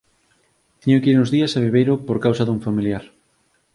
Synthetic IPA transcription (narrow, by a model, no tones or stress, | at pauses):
t̪iɲokiɾnʊzðiɐsaβ̞eβejɾopoɾkawsɐðuŋfamiljaɾ